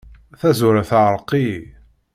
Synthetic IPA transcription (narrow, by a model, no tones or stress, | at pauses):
θæzuɾæθəʁɾˤqːi